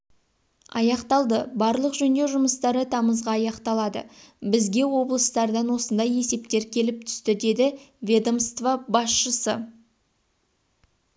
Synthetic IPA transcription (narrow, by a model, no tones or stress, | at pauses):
ɑ̰jɑqt̪ɑlˠd̪əbɑɾlˠəqʒɵnd̪e̞ʒʊməst̪ɑɾət̪ʰɑməzʁɑːjɑqt̪ɑlˠɑd̪ə̰bɪzɡʲe̞wo̞blˠəst̪ɑɾd̪ɑnwo̞sənd̪ɑje̞se̞pt̪e̞ɾkʲʰe̞lɪp̚t̪ʰʏ̥st̪ɪd̪e̞d̪ɪvʲed̪omst̪vabɑsʃəsə